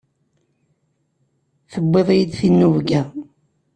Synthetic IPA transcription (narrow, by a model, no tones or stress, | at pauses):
θəbːeðˤjid̪θinːuvɡæ